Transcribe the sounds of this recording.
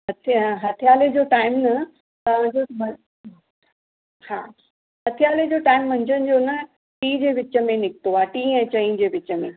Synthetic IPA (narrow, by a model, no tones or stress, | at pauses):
ɐt͡ɕʰɦɐt̪ʰijaːled͡ʑoːʈaːɪmnɐ | ɐd͡ʑomɐ | hãː | ɦɐt̪ʰijaːled͡ʑoːʈaːɪmːɐ̃ɲd͡ʑənɪ̆d͡ʑonɐ | ʈiːd͡ʑeːʋɪt͡ɕə̆mẽnɪkt̪oaːʈiːɛ̃ːt͡ɕɐĩd͡ʑeːʋɪt͡ɕə̆mẽ